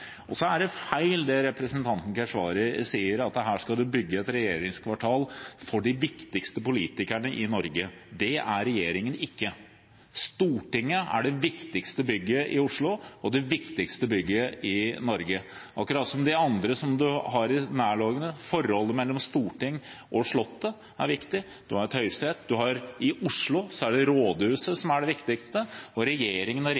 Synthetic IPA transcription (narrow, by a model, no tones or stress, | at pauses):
ɔsɔæɖɛfæɪld̪ɛɾɛpɾəsənt̪ʰɑnt̪n̩kʰæʂʋɑːɾəsiːəɾɑt̪ɦæːʂkɑd̪ʉbʏɡːəɛt̪ɾɛjeːɾɪŋskʰʋɑʈʰɑːlfɔɖɪʋɪkt̪ɪkst̪əpʊliːt̪ɪkæɳəʔɪnɔɾɡəd̪ɛæɾɛjeːɾɪŋənɪkːə | st̪uːʈɪŋːəæ̰ɖɛʋɪkt̪ɪkst̪əbʏɡːəʔɪʊʂɭʊɔd̪ɛʋɪkt̪ɪkst̪əbʏɡːəɪnɔɾɡə | ʔɑ̰kɾɑːt̪sɔmd̪ɛɑnd̪ɾəsɔmd̪ʉhɑɾɪnæːɭɑːɡənəfɔɾhɔlːəmɛlːɔmst̪uːʈɪŋːʔɔʂɭɔt̪ːə | æɾʋɪkt̪ɪ | d̪̥ɵhɑɾɛt̪hœʏst̪ɾeːt̪̚d̪ʉɦɑɾɪʔʊʂɭʊsɔæɖɛɾoːd̪hʉːsəsɔmæɖɛʋɪkt̪ɪkst̪əɔɾɛjeːɾɪŋənɔ